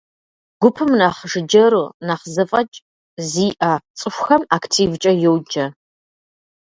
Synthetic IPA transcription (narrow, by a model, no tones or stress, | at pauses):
ɡ̥ʷʊpʰɨmnaːχʒɨd͡ʒɐɾuːnaːχzɨfʼɐt͡ʃʼ | ziːʔat͡sʼɨʃʷxɐmaktʰiːvt͡ʃʼɐjowd͡ʒɐ